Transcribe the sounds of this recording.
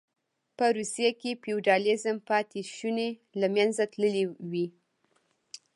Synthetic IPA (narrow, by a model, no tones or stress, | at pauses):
pəɾusijakepiuɖɑlɪzəmpɑt̪eʃunelamjanzat̪ləlewi